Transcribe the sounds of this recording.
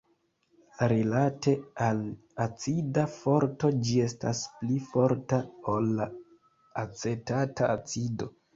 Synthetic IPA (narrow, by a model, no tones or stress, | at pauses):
ɾilate̞al | at͡sidafo̞ɾto̞d͡ʒie̞sta̰splifo̞ɾtaolːaː | t͡se̞tataat͡sido̞